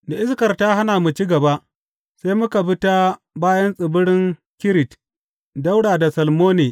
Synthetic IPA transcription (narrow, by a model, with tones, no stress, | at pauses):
da˨ʔɪ˦skɐ˨rtaː˦ɦa˦naː˨mu˨t͡ʃi˦ɡɐ˨ba˦ʔ | sa˦jmʊ˦ka˨ɸɪ˦ta˦ | baː˦jɐ˦nsʼɪ˨bʊ˦ɽɪ˦ŋ | kʲɪ˦ɾɪ˨t | da˦wɽaː˨da˨sɐ˨lmoː˦neː˨